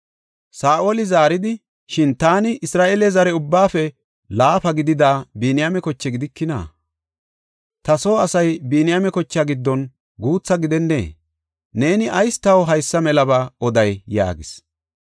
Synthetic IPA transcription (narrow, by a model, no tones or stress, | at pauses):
saːʔolɪzaːɾɪd̪ɪ | ʃɪnt̪aːnɪʔɪsɾaːʔelɛzɐɾɛʊbːaːfɛ | laːfɐɡɪd̪ɪd̪aːbiːnɪjamɛkɔt͡ʃːɛɡɪd̪ɪkːɪna̰ː | t̪ɐso̞ːɐsɐjbiːnɪjamɛkɔt͡ʃːaɡɪd̪ːɔn | ɡuːt͡sːɐɡɪd̪ɛnːe̞̰ː | ne̞ːnɪʔɐjst̪ɐwɦɐjsːɐmɛlɐbaɔd̪ɐjja̰ːɡɪs